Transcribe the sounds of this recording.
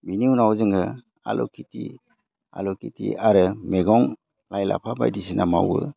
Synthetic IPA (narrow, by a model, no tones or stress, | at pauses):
biniunawzɯŋɡɯ | a̰lɔkʰitʰi | a̰lɔkitiʔaɾɯmeɡɔŋ | lajla̰pʰaba̰jdisinʔama̰wɯ̰